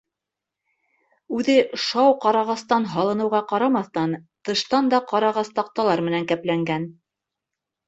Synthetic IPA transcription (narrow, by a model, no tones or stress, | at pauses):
ʉðɘʃɑwqɑɾɑʁɑst̪ɑnɦɑlˠɤ̆nɤ̆wʁɑqɑɾɑmɑθt̪ɑnt̪ɤ̆ʃt̪ɑnd̪ɑqɑɾɑʁɑst̪ɑq̚t̪ɑlˠɑɾmɘ̆næŋkæplæŋɡæn